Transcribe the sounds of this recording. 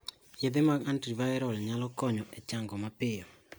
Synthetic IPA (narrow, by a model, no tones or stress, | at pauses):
jɪd̪ɪmaɡantivaɛɾɔlɲalɔkɔɲɔʔɛt͡ʃaŋɡɔmapɪjɔ